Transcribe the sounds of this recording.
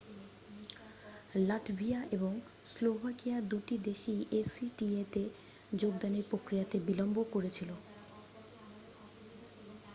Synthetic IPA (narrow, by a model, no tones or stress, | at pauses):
laʈbʱiaʔeboŋ | slobʱakijad̪uʈid̪eʃiʔesiʈiet̪e | d͡ʑoɡd̪aneɾpɾokɾijat̪ebilombokoɾet͡ɕʰilo